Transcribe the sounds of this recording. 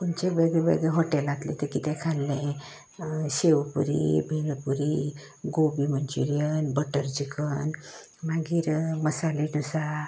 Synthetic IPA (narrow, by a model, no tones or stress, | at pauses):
kunt͡ɕebeɡɭɛʋḛɡɛɦɔʈɛlat̪lɛ̰̃t̪əkit̪ɛ̃kʰalːẽ | ɕeʋpuɾḭbʱeləpuɾi | ɡobimənt͡ɕuɾijənbəʈəɾd͡ʑikʰən | maɡiːɾməsaliʈusa